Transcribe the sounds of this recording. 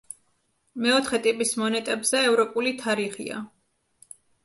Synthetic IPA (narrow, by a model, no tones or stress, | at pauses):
mɛɔt̪ʰχɛt̪ʼipʼismɔnɛt̪ʼɛbzɛːvɾɔpʼulit̪ʰaɾiχḭa̰